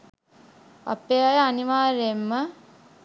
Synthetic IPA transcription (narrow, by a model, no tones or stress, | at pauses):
a̰peajəaniʋaːɾemːə